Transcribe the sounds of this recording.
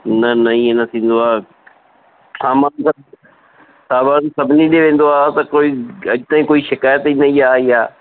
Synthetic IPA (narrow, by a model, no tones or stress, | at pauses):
nɐnɐĩnɐt̪ʰĩːn̆d̪oaː | saːmaːnsɐ | saːbaːɾnsɐbʱniɗeʋẽːn̆d̪oaːt̪ɐkoːiɐʄt̪ãːĩkoːiʃɪkaːjət̪inɐiaːiaː